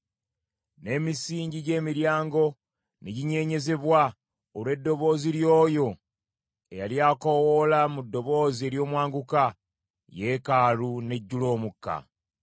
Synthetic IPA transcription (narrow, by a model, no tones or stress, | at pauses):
ne̞ːmisiːɲɟiɟe̞ːmiɾjaːŋɡo̞ | neɟiɲe̞ːɲe̞ze̞βwa | olwe̞dːo̞βo̞ːziɾjoːjo̞ | e̞jaljaːkowolamudːo̞βo̞ːzie̞ːɾjo̞ːmwaːŋɡuka | je̞kaːɾune̞ɟːulo̞ːmukːa̰